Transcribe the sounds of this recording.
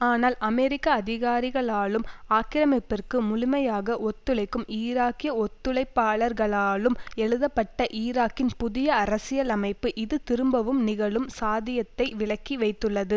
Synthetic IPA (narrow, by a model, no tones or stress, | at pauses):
aːnaːlʔɐmɛɾɪkːɐːðɪɣaːɾɪɣɐɭaːlɯmaːkɪɾɐmɪpːɪrkɯmʊlɪmɐjaːɣɐʔɔt̪ːɯlɐɪkːɯmiːɾaːkɪjɐɔt̪ːɯɭɐɪpːaːɭɐɾɣɐɭaːlɯmɛɻɯðɐpːɐʈːɐʔiːɾaːkːɪnpʊðɪjɐɐɾɐsɪjɐlɐmɐɪpːɯʔɪðɯt̪ɪɾɯmbɐʋɯmnɪɣɐɭɯmsaːðɪjɐt̪ːɐɪʋɪɭɐkːiʋɐɪt̪ːɯɭːɐðɯ